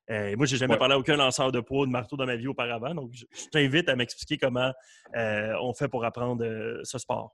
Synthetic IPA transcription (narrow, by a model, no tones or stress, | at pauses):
øemwaʒeʒamɛpaʁleaokʲœ̃lɑ̃sœːʁd̪əpwod̪əmaʁt̪od̪ɑ̃maviopaʁavãd̪ɔ̃kʒʒɛ̃vɪt̪amɛkspli̥kʲekɔmɑ̃ | øɔ̰̃fɛpuʁapʁɑ̃ːd̪ʁəsəspɑ̰ːʁ